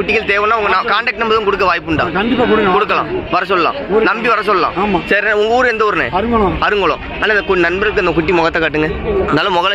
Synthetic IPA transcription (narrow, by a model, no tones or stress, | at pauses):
ʊʈːɪkːɐlt̪eːʋɐnːaːʊŋɡɐnakaːɳɖɐk̚ʈːɛmbɐðɯ̃mkʊɽɯk̬ːɐʋaːjp̬ːɯɳɖa̰ːɐɖɪakɽkʊɽɯkːɐlã̰ːʋɐɾɐsɔlːɐlã̰ːnɐmbiʋɐɾɐs̬ɔlːɐlã̰ːaːmasɐːɾʊŋɡɐuːɾɯɛnd̪ɐɔɾɯnḛɐɾɯŋɡɭ̃ɐɾɯŋɡɐɭõ̰ː | aːnːaːɪnd̪ɐkʊnɐnbɐɾɯkːɯɐnd̪ɐkʊʈːimɔɣɐt̪ːakaːʈːɯŋɡɐnaːlɐmɔɣɐl